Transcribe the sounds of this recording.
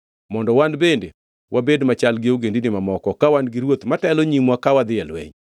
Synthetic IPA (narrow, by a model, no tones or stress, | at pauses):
mɔndɔwanbende | wʔabedmat͡ʃalɡɪoɡendinɪmamɔkɔkawanɡɪɾwot̪matɛloɲimwakawad̪ɪɛlwɛ̰ɲ